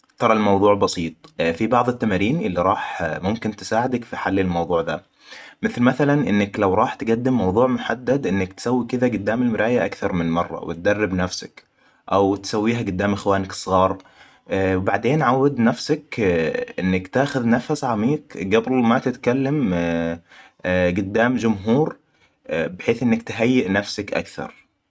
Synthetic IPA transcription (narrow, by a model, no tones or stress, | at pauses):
t̪ɑɾˤɑlmɑwðˤuːʕbɑsiːt̪ˤfibɑʕðˤɪt̪ːamaːɾiːnʔɪlːiɾˤɑːħmʊmkɪnt̪ɪsaːʕɪd̪akfiħalːɪlmɑwðˤuːʕd̪æ | mɪθlmæθalanʔɪnːɪklawɾˤɑːħt̪ɪɡæd̪ːɪmːɑwðˤuːʕmʊħad̪ːad̪ʔɪnːɪkt̪sawːikɪd̪æɡʊd̪ːaːmɪlmɪɾæːjaʔakθɑɾˤmɪnmɑrˤːɑ̰wɪ̰t̪̚d̪ærˤːɪbnæfsak | ʔawt̪sawːiːɦæɡʊd̪ːaːmʔɪxwaːnaksˤɣɑːɾˤ | wbaʕd̪eːnʕawad̪nafsakʔɪnːɪkt̪aːxʊðnafasʕamiːqɡæbɾmat̪ɪt̪kalːam | ɡʊd̪ːaːmd͡ʒʊmɦuːɾ | bɪħeːθʔɪnːɪkt̪ɪɦajːɪʔnafsakʔa̰kθɑ̰ɾˤ